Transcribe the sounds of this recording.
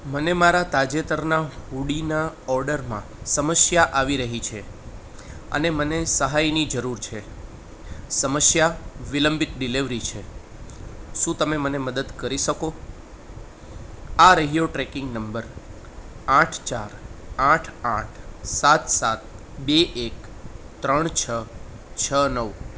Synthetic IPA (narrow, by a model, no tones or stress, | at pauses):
mənemaɾat̪ad͡ʒet̪əɾnaɦuɽinaɔɾɖəɾmã̰ | səməsjaʔaʋiɾəɦit͡ʃʰe | ə̰nemənesəɦajnid͡ʒəɾuɾt͡ʃʰe | səməsjaʋiləmbit̪̚ɖiliʋɾit͡ʃʰe | ʃũt̪əmeməneməd̪əd̪kəɾiʃəko | aɾəɦijoʈɾɛkɪ̃ŋɡnəmbəɾ | aʈʰt͡ʃaɾaʈʰaʈʰsat̪sat̪̚ | beʔek | t̪ɾəɳt͡ʃʰə | t͡ʃʰənəʋ